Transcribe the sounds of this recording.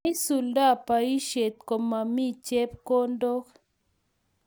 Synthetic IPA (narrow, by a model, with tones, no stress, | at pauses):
i˦su˨lda˦˨pa˨i˦ʃe˨t̪̚ko˨mːa˨mi˦t͡ʃe˦pko˦ndo˦k